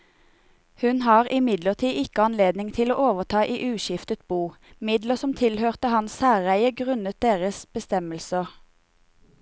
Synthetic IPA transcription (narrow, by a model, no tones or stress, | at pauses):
hʉnhɑːʁɪmɪd̪ləʁt̪ʰiːʔɪkəɑnleːd̪nɪŋt̪ʰɪloːʔoːʋəʁt̪ʰɑːʔiːʔʉːʃɪft̪ət̪̚buː | mɪd̪ləsɔmt̪ʰɪlhøːʁt̪əhɑnsæːʁæɪəɡʁʉnət̪̚d̪eːʁəsb̥əst̪ɛməlsəʁ